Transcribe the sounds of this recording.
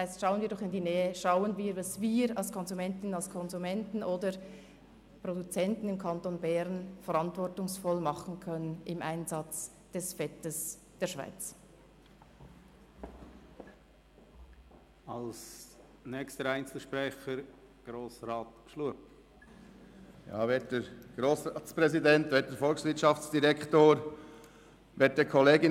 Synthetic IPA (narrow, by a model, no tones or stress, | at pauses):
aɪstʃaʊənviːdɔχɪndiːnɛːəʃaʊənviːɾvɑsviːɾɑlskʰɔnzumɛntɪnənɑlskʰɔnzumɛntn̩ʔoːdə | produt͡sɛntn̩ɪmkʰɑntoːnbɛɾnfɛɾɑntvɔɹtʊŋsfɔlmɑχn̩kʰœnənɪmʔa̰ɪnzɑt͡s | d̥ɛsfɛtəs | d̥eːɐʃv̥a̰ɪt͡s | ɑls | nɛkstəɾæɪnt͡sl̩ʃpɾɛχəɾ | ɡ̥ɾoːsɾɑːt̪ʃluəp̚ | jɑ̰ːʋeːt̚d̥əɾɡ̥ɾoːsɑːtspɾɛzidɛntʋɛːt̚d̥əɾfɔlksʋɪɾtʃɑft͡sd̥iɾɛkχtoːɾ | ʋeːt̚d̥ɛkʰɔleːɡɪ